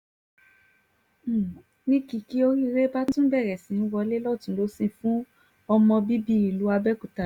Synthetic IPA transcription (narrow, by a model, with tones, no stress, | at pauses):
nĩ˦ki˧ki˦o˦ɾi˦ɾe˦ba˦tũ˦bɛ˦˨ɾɛ˨sĩ˨˦n̩˦wɔ˧le˦lɔ˦˨tũ˨˦lo˨˦sĩ˦˧fũ˦ | ɔ˧mɔ̃˧bi˦bi˦i˨lu˨˦a˧bɛ˦ku˨ta˨